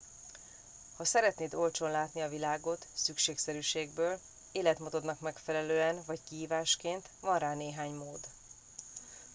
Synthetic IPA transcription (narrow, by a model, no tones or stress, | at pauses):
hɒsɛɾɛt̪neːt̪o̞lt͡ʃo̞nlaːt̪niɒvilaːɡo̞t̪sykʃeːksɛɾyːʃeːɡbøːl | eːlɛt̪mot̪o̞d̪nɒkmɛkfɛlɛløːɛnvɒɟkiɦiːvaːʃkeːnt̪vɒnraːneːɦaːɲmoːd̪